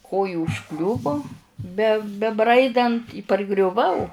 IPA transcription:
ˈkoːjʊ ʊʃˈklʲʊʋʊ bʲɛ bʲɛˈbrɐɪdɐnt ɪ pɐrɡrʲʊˈʋɐʊ

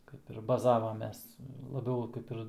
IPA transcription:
kɐɪp ɪr bɐˈzɑːʋɐmʲeːs lˠɐˈbʲɛʊ ˈkɐɪp ɪr

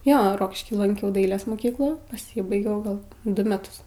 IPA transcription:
ˈjoː ˈroːkʲɪʃʲkʲiː lˠɐŋʲˈkʲɛʊ ˈdɐɪlʲeːs moːˈkʲiːklˠuː pɐˈsʲiːbɐɪɡʲɛʊ ɡɐlˠ ˈdʊ mʲɛˈtʊs

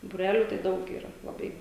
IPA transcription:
buːˈrʲæːlʲʊ tɐɪ ˈdɐʊk iːˈrɐ lˠɐˈbɐɪ

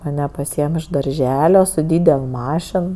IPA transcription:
mɐˈnʲɛ pɐˈsʲiːɛm ɪʃ dɐrʲˈʒʲæːlʲoː sʊ ˈdʲiːdʲɛlˠ ˈmɑːʃʲɪn

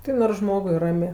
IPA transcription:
ˈtɐɪ noːrs ˈʒmoːɡʊɪ ˈrɑːmʲeː

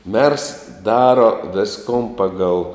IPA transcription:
mʲɛrs ˈdɑːroː ˈʋʲɪskoːn ˈpɑːɡɐlˠ

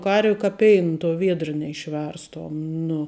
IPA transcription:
ˈkɐrʲʋʲɪ kɐ ˈpʲɛɪn tuɔ ˈʋʲiɛdr nʲɛɪʃʲˈʋʲɛrstoːm nʊ

